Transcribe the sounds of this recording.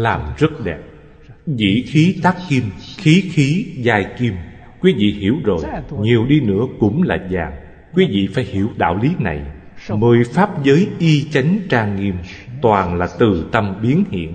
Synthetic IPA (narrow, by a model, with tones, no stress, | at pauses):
laː˨˩mzə˦˥t̚ɗɛ˨˩p̚ | zḭ˧˨xi˨˦t̪aː˦˥kːi˧mxi˨˦xi˨˦zaː˧jki˧m | kwi˨˦vḭ˧˨hi˧˩əwzo˨˩jɲi˨˩əwɗi˧nɨ̰˧˥əkʊ̰˧˥ŋ͡mlaː˨˩zaː˨˩ŋ | kwi˨˦vḭ˧˨fa̰ː˧˩jhi˧˩əwɗa̰ː˧˨wli˨˦na̰˨˩j | məː˨˩jfaː˦˥p̚zəː˨˦jʔi˧t͡ɕa˨˦jŋ̟t͡ɕaː˧ŋŋi˧əm | t̪waː˨˩nlaː˨˩t̪ɨ˨˩t̪ə˧mɓi˨˦ənhḭ˧˨ən